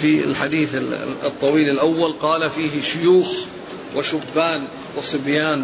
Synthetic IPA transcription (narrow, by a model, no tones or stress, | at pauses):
fiɪ̰lħad̪iːθɪɨt̪ˤːɑwiːlɪlʔawːalqɑːlafiːɦɪʃʊjuːx | wɪʃʊbːaːn | wɪsˤɨbjaːn